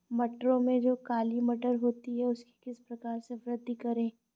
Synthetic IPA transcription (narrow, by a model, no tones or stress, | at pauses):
mɐʈɾõmẽd͡ʒoːkaːlimɐʈəɾɦoːt̪iɦɛʊski̥kɪspɾɐkaːɾseʋɾɪd̪ʱːəkɐɾẽː